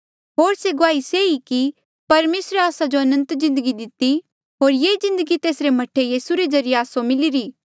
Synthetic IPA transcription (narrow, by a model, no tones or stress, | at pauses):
ɦoːɾseɡʊaːiseiki | pɐɾmeːsɾeaːsad͡ʒoɐnə̃nt̪zɪ̃nd̪əɡid̪ɪt̪ːi | ɦoːɾjezɪ̃nd̪əɡit̪eːsɾemɐʈʰːejiːsuɾed͡ʒɐɾɪjeaːsomɪliɾiː